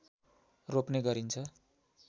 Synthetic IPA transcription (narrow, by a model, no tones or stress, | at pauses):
ropneɡʌɾint͡sʰʌ